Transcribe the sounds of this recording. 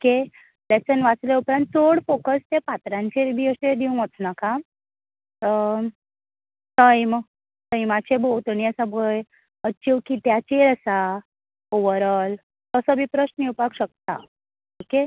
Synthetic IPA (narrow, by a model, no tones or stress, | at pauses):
oke | let͡sənʋat͡sleupɾãnt̪̚t͡soɽfokəst̪epat̪ɾãɲt͡ɕebʱiːəsed̪iuŋət͡snaka | ə | t̪əjm | t̪əjmat͡ɕebowt̪əɽ̃iəsabʱəj | ət͡ɕiwkit̪jat͡ɕeɾəsa | oʋəɾəl | t̪əsəbʱipɾəɕniwpakɕək̚t̪a̰ | oke